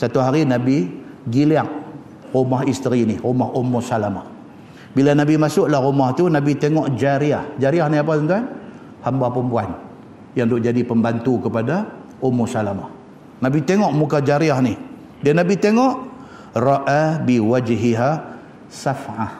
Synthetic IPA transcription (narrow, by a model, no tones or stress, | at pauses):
sat̪uɦaɾinabi | ɡiliaŋ̚ | rumaɦist̪əɾiniɾumahumːusalamah | bilanabimasʊʔlahɣumaht̪unabit̪eŋɔʔd͡ʒaɾiahd͡ʒaɾiahniap̬aənt̪an | hambapəmpuan | jaŋdʊʔd͡ʒadipəmbant̪ukəpadaʔumːusalama̰h | nabit̪eŋɔʔmukad͡ʒaɾiahnih | danabit̪eŋɔʔ | rɑʔabiwad͡ʒɦiɦa | safʕah